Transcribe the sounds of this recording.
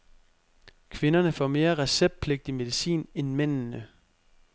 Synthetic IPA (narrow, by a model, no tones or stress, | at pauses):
kʰʋe̝nɐnəfɒ̰me̝ːɐʁɛseb̥̚pʰle̝ɡ̥̚d̥ime̝ðˠisḭːnenmen̰nə